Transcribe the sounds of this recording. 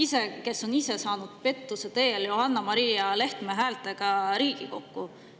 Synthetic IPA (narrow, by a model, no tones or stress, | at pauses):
ise̞ke̞sːo̞nise̞sɑːnud̪̥̚pe̞t̪ːuse̞t̪e̞ːljohɑnːɑmɑɾiːɑle̞ht̪meɦæːlt̪ːˑeɡ̥ɑɾiːɡ̥iko̞kːu